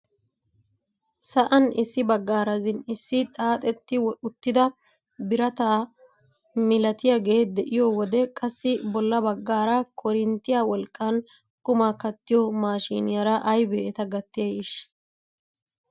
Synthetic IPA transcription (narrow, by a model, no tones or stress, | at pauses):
sɐʔɐnɪsːɪbɐɡːaːɾɐzɪnɪsːɪt̪ʼaːt̪ʼɛt̪ːɪwʊt̪ːɪd̪ɐ | bɪɾɐt̪aː | mɪlɐt̪ɪjɐɡe̞ːd̪ɛʔɪjɔwɔd̪ɛkʼɐsːɪbɔlːɐbɐɡːaːɾɐkʰɔɾɪnt̪ːɪjaːwɔlkʼːɐn | kʼʊmakɐt̪ːɪjɔmaːʃḭːnɪjɐɾɐʔɐjbeːʔt̪ɐɡɐt̪ːɪjɐjɪʃ